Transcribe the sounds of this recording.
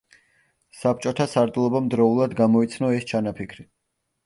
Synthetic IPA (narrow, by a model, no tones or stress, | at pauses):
sap̚t͡ʃʼɔt̪ʰasaɾt̪ʼlˠɔbamd̪ɾɔulˠad̪ɡamɔit̪sʰnɔɛst͡ʃʰanapʰikʰɾi